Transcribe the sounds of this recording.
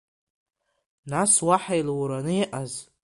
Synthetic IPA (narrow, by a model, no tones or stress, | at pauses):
naswaħajlɾanɨiʔaz